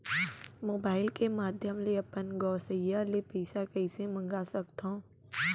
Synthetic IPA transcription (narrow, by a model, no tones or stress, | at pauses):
moːbaːɪlkemaːd̪ʱjəmleɐpənɡɔːsəjːalepɛːsakɐɪsemɐ̃ŋɡaːsɐkt̪ɦõː